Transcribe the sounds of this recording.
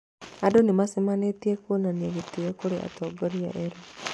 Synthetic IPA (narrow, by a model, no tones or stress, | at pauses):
adonemasemanetiekonanieɣetijɛkoɾeʔa̰tɔːɡɔɾia̰ʔɛɾo